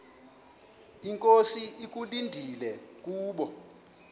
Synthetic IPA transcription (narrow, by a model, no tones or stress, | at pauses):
iŋkʼosiik̬ʼulindʱilɛk̬uːɓɔ